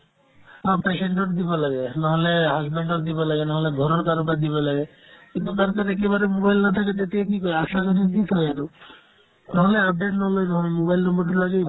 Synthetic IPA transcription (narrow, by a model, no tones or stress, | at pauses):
apeseɳɖoʈd̪ibɔlaɡenaɦɔleɦazbeɳɖɔɾd̪ibɔlaɡenaɦɔleɡʱɔɾɔɾkaɾɔkaɾd̪ibɔlaɡe | kint̪ukaɾkaɾɛkebaɾemobajlnat̪ʰak̬et̪et̪iekikɔeaʃakɔɾik̪it̪ʰɔeaɾu | naɦoleap̚ɖeʈnɔɦlejnaɦɔlemobajlnɔmbɔɾʈɾlaɡe